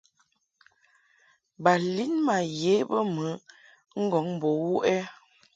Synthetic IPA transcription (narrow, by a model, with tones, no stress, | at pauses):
ba˨li˦nma˨je˨˦bə˦mə˨˦ | ŋ̩˦ɡɔ˨˦ŋ˨bo˨˦wu˦ʔɛ˦